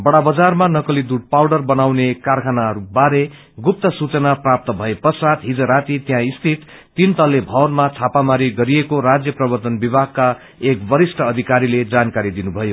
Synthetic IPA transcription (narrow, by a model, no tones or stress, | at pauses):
bʌɽabʌd͡zarmanʌkʌlid̪uɽ̚pawɽʌrbʌnawnekarkʰanaɾubaɾe | ɡup̚t̪ʌsut͡sʌnaprap̚t̪ʌbʱʌepʌsat̪ɦid͡zʌɾat̪it̪jãist̪ʰit̪ː | int̪ʌlːebʱʌwnmat͡sʰapamaɾiɡʌɾiekorad͡zjʌprʌbʌrt̪ʌnbibʱaɡ̚ka | ekbʌɾisʈʰʌːd̪ʱikaɾiled͡zankaɾid̪inubʱʌjo